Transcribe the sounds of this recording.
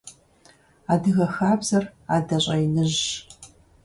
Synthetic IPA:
aːdɨɣɐxaːbzɐraːdɐɕʼɐjnɨʑ

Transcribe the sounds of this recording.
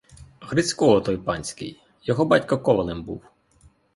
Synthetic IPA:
ɣɾɪt͡sʲkɔɔt̪ɔjpɑnʲsʲkɪ̰j | jɔɦɔbɑtʲkɐkɔʋɐnˠɪmbṵw

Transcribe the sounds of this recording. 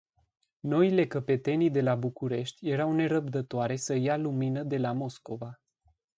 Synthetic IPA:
no̞ile̞kəpe̞t̪e̞nid̪e̞labukuɾe̞ʃt̪ʲje̞ɾawne̞ɾəb̚d̪ət̪oaɾe̞səjaluminəd̪e̞lamo̞sko̞va

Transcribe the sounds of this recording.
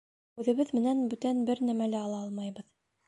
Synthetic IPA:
ʉðɘ̆βɘðmɘ̆nænbʉt̪ænbɘɾnæmælæɑlˠɑɑlˠmɑjbɤð

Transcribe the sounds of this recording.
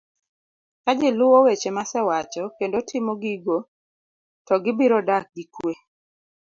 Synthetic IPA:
kad͡ʒɪlʊwɔwet͡ʃemasɛwat͡ʃɔkendotʰɪmoɡiɡo | tɔɡɪbiɾɔdak̚ɡikwe

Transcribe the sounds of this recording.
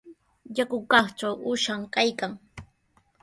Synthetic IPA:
jakʊkɑχt͡ʃawʊʃamkajkaŋ

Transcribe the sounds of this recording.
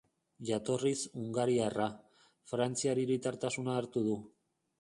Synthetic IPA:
ʝat̪o̞risuŋɡaɾiara | fɾant͡siaɾiɾit̪aɾt̪asunaːɾt̪uð̞u

